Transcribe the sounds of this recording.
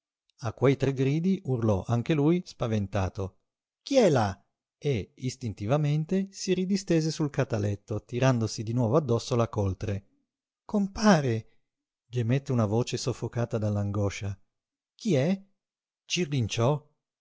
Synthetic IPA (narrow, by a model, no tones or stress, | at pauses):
akːwejt̪ɾɛɡɾiːd̪iʔurlɔʔaŋk̟elujspavent̪aːt̪o | k̟iɛla | eist̪int̪ivament̪esiɾid̪ist̪eːzesulkat̪alɛt̪ːot̪iɾand̪osid̪inwɔːvoad̪ːɔsːolakolt̪ɾe | kompaːɾe | d͡ʒemet̪ːeunavoːt͡ʃesofːokaːt̪ad̪alːaŋɡɔːʃa | k̟iɛ | t͡ʃirlint͡ʃɔ